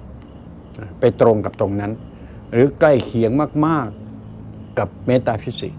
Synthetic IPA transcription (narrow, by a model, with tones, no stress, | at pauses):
na˧˩pa˧jt̪ɾo˧ŋka˨˩p̚t̪o˧ŋna˦˥n | ɾɯː˨˩˦kla˥˩jkʰi˩˦əŋmaː˥˩k̚maː˥˩kː | a˨˩p̚meː˦˥t̪aː˧pʰi˦˥sḭ˨˩ʔ